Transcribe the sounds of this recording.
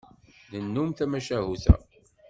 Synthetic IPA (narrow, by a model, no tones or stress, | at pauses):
nənːumθæmæʃæɦuθæ̰